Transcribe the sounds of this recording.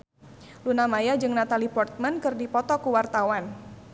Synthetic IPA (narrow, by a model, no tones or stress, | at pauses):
lunamajad͡ʒɨŋnat̪alipɔrt̪̚mankɨrdipɔt̪ɔkuwart̪awan